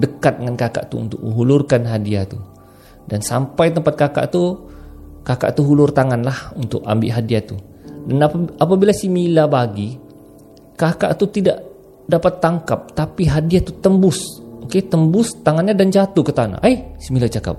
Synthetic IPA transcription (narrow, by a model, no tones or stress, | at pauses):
dəkat̪̚dəŋankaka̰ʔt̪ṵːnt̪ʊk̚mə̰ɦulʊrkanɦadiat̪u | dansampajt̪əmpat̪̚kaka̰ʔt̪u | kaka̰ʔt̪uɦulʊrt̪aŋanlahunt̪ʊ̰ka̰mbɪʔɦadiat̪u | danapabilasimilabaɡi | kaka̰ʔt̪ut̪idaʔ | dapat̪ːaŋkap̚t̪apiɦadiat̪ut̪əmbʊsoket̪əmbʊst̪aŋanɲadand͡ʒat̪ukət̪ana̰ʔajsimilat͡ʃaka̰p̚